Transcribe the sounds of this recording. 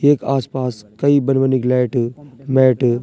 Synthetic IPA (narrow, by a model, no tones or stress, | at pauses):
eːkaːspaːskɐibɐnʋəniklɛːʈmɛːʈ